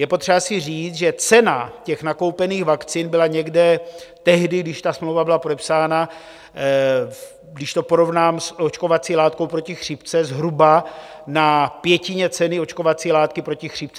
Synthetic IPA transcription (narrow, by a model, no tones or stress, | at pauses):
jɛpot̪r̥ɛbasɪriːt͡s̪ʒɛt͡sɛnacɛxnako̞wpɛniːɣvakt͡siːnbɪlaɲɛɡdɛt̪ɛɦdɪɡdɪʃt̪asmlowvabɪlapo̞dɛpsaːna | ɡdɪʃt̪o̞po̞ɾo̞vnaːmsʔo̞t͡ʃko̞vat͡siːlaːt̪̚ko̞wpɾo̞cɪxr̝̥iːpt͡sɛzɦɾuba | napjɛcɪɲɛt͡sɛnɪo̞t͡ʃko̞vat͡siːlaːt̪kɪpɾo̞cɪxr̝̥iːp̚t͡sɛ